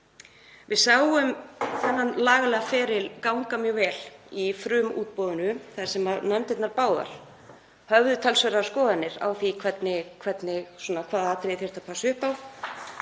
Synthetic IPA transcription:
vɪðsaːwʏmθɛnːanlaːɣalɛɣafɛːɾɪlkawŋkamjœːɣvɛːlifɾʏːmṵːt̪̚pɔðʏnʏθaðɪ̥ɾ̥sɛmaðnœmt̪ɛt̪naɾpaːwða̰ɾ̥ | hœvðʏt̪ʰalsvœɾaskɔːðanːɪɾa̰wθikʰvɛt̪nɪkʰvɛt̪nɪsɔːnakʰvaːðat̪ɾeːθɛɾ̥t̪apʰaːsʏhpaw

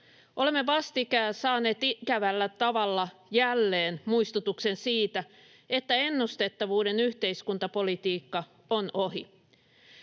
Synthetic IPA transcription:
ʔo̞le̞mːeʋɑst̪ikæːsɑːne̞ːt̪ikæʋælːæt̪ɑʋɑlːɑjælːeːnmuist̪ut̪ukse̞nsiːt̪æ | e̞t̪ːæe̞nːust̪e̞t̪ːɑʋuːde̞nyht̪e̞iskunt̪ɑpo̞lit̪iːkːɑ | onoɦḭ

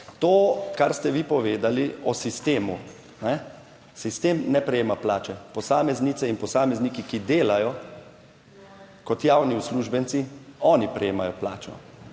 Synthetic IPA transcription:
t̪oːkaɾst̪ɛʋipɔʋeːd̪aliɔsist̪eːmu | nɛ | sist̪eːmnɛpɾɛjeːmaplaːt͡ʃɛpɔsaːmɛznit̪sɛinpɔsaːmɛzniːkikid̪eːlajɔ | kɔt̪jawniusluːʒbɛnt̪siɔːnipɾɛjeːmajɔplaːt͡ʃɔ̰

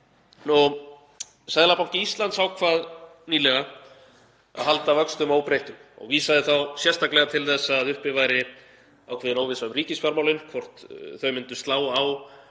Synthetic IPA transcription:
nɔ | sajðlapaw̥cɪist̪lant̪sawkʰvaːðniːlɛɣa | a̰ðɦalt̪avœkst̪ʏmawpɾejht̪ʏmɔ̰ɣviːsaðɪθawsjɛst̪ʰaklɛɣat̪ʰɪlθɛsːaːðʏhpɪvajɾɪ | awkʰvɛːðɪnoːwvɪsaʏmriːcɪsfaɾmawlɪnkʰvɔr̥t̪θœɥmɪnt̪ʏst̪laːwaw

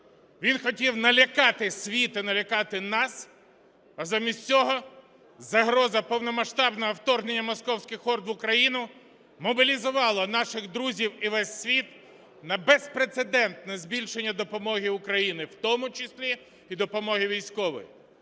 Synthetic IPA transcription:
ʋʲinxɔtʲiwnɐlʲɐkɑt̪ɪsʲʋʲit̪ɪnɐlʲɐkɑt̪ɪnɑs | ɐzamʲisʲt͡sʲɔɦɔ | zɐɦɾɔzɐpɔwnɔmɐʃt̪ɑbnɔɦɔwt̪ɔrɦnenʲːɐmɔskɔwsʲkʲɪxɔrd̪ʋʊkɾɐjinʊ | mɔbʲilʲizʊʋɑlˠɐnɑʃɪɣd̪ɾuzʲiwiʋɛsʲːʋʲit̪ | nɐbespɾet̪sed̪ɛnt̪nɛzbʲilʲʃenʲːɐd̪ɔpɔmɔɦiʊkɾɐjinɪwt̪ɔmʊt͡ʃɪsʲlʲi | id̪ɔpɔmɔɦɪʋʲijsʲkɔʋɔ̰ji

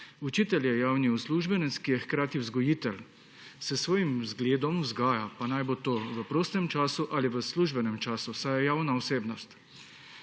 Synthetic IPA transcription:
ut͡ʃiːt̪ɛljɛjaːwniusluːʒbɛnɛt̪skijɛxkɾaːt̪iwzɡɔjiːt̪ɛl | sɛsʋoːjimzɡleːd̪ɔmuzɡaːjapanajbot̪oːʋəpɾoːst̪ɛmt͡ʃaːsuʔaliʋəsluːʒbɛnɛmt͡ʃaːsusajɛjaːwnaɔseːbnɔst̪

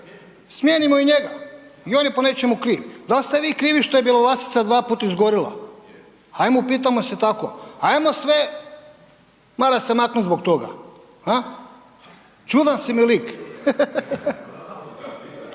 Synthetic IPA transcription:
smʲjeːnimoiɲeɡa̰io̞niponet͡ʃemukɾiːʋd̪alst̪eʋiːkɾiːʋiʃt̪ojebiːlˠaʋlˠasi̥t̪sad̪ʋaːpuːt̪aizɡoɾila̰ | ajmupiːt̪amoset̪ako̰ajmosʋe | maɾasemaknut̪zbok̚t̪o̞ɡa̰ | ha | t͡ʃud̪ansimilik

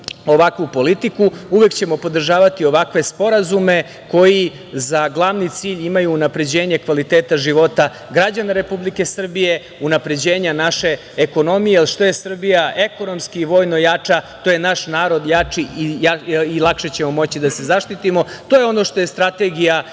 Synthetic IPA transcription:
o̞ʋakʋupo̞lit̪ikuuʋe̞kt͡ɕe̞mo̞po̞d̪r̩ʒaːʋat̪io̞ʋakʋe̞spo̞ɾazume̞ | ko̞ji | zaɡlˠaʋnit̪siːʎimajuːnapɾe̞d͡ʑe̞ːɲe̞kʋalit̪eːt̪aʒiʋo̞t̪a | ɡɾad͡ʑanaɾe̞publike̞sr̩bije̞ | unapɾe̞d͡ʑe̞ːɲanaʃe̞ | eko̞no̞mijelʃt̪o̞jesr̩bijaʔe̞ko̞no̞mskiːʋo̞ːjno̞jat͡ʂat̪o̞je̞naʃnaːɾo̞d̪jat͡ʂiiailˠakʃe̞t͡ɕe̞mo̞mo̞t͡ɕid̪ase̞zaʃt̪it̪imo̞t̪o̞ːjeo̞no̞ʃt̪o̞jest̪ɾat̪e̞ɡija

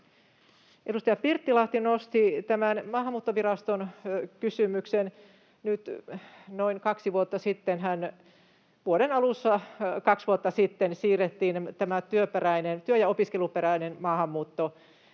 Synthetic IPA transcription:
ʔedust̪ɑjɑpirt̪ːilɑht̪inost̪it̪æmænmɑːhɑmːuːt̪ːoʋirɑst̪onkysymyksen | nyt̪noinkɑksiʋuot̪ːɑsit̪ːenhæn | ʋuoɾenɑlusːɑkɑksʋuot̪ːɑsit̪ːensiːrːet̪ːiːnt̪æmæt̪yøperæinent̪yøjɑopiskeluperæinenmɑːhɑmːuːt̪ːo

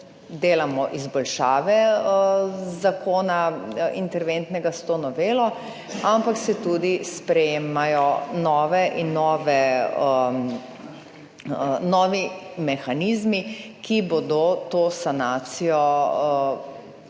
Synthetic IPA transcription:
d̪eːlamɔʔizbɔlʃaːʋɛ | zakoːnaḭnt̪ɛɾʋent̪nɛɡast̪onɔʋeːlɔ | ampaksɛt̪ud̪ispɾɛjeːmajɔnɔːʋɛʔinːɔːʋɛə | nɔːʋimɛxanizmikibod̪ot̪oːsanaːt̪sijɔ

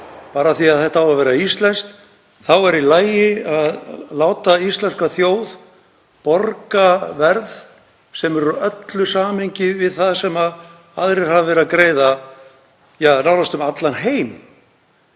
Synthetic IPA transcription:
paːɾaθiaðθɛht̪avavɛːɾaist̪lɛnst̪ | θawɛɾilaːjɪaðlaːwt̪aist̪lɛnskaθjoːwð | pɔɾkavɛɾð | sɛmɛɾʏœt̪lʏsaːmhɪɲcɪvɪðθaðsɛmað | aðɾɪɾ̥havɪvɛːɾakɾeːjða | jaːnawɾast̪ʏmat̪lanɦeːjm

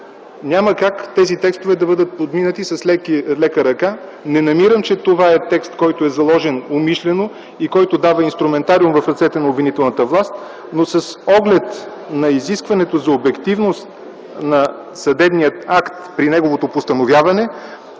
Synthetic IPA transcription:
nʲaməkakt̪ɛzit̪ɛkst̪ovɛd̪ɐbɤd̪ət̪̚pod̪minət̪isɐslɛkilɛkəɾɐka | nɛnɐmiɾəmt͡ʃɛt̪ovaɛt̪ɛkst̪kɔjt̪oɛzɐlˠɔʒɛnomiʃlɛno | ikɔjt̪od̪avəinst̪ɾumɛnt̪aɾiumvɐfɾɐt̪sɛt̪ɛnɐobvinit̪ɛlˠnət̪əvlˠast̪ | nosɐsɔɡlɛt̪ | nɐiziskvɐnɛt̪ozɐobɛkt̪ivnost̪ | nɐ | sɐd̪ɛbnijət̪akt̪pɾinɛɡovot̪opost̪ɐnovʲjavɐnɛ

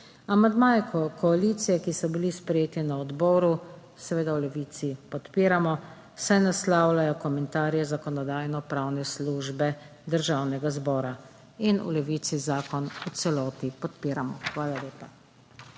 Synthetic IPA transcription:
amand̪maːjɛkʰɔkʰɔaliːt̪sijɛkisɔbilispɾɛjeːt̪inaɔd̪bɔːɾu | sɛʋeːd̪awlɛʋiːt̪sipɔt̪piːɾamɔ | sajnaslawlajɔkɔmɛnt̪aːɾjɛzakɔnɔd̪aːjnɔpɾawnɛsluːʒbɛ | d̪əɾʒaːwnɛɡazbɔːɾa | inṵlɛʋiːt̪sizaːkɔnusɛlɔːt̪ipɔt̪piːɾamɔxʋaːlaleːpa

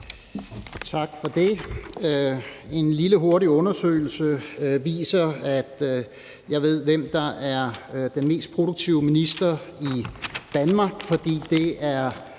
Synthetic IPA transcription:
t͡sʰɑ̈ɡ̥fɒ̽d̥e̝ | e̝nliləɦo̝ɐɾiɔ̽nɐsø̰ːɪl̩səʋḭːsɐæd̥ | jɑ̈ɪʋe̝ð̞̰ˠʋem̰d̥ɑ̈æɐd̥enme̝̰ːsd̥̚pʰʁo̝ɾoɡ̥̚t͡sʰiʊəminisd̥ɐid̥ænmɑ̈ɡ̥fɒ̽d̥ḭːd̥e̝æɐ

